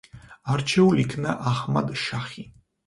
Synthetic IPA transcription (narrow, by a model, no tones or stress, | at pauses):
aɾt͡ʃʰɛulikʰnaʔaχma̰d̪ʃaχi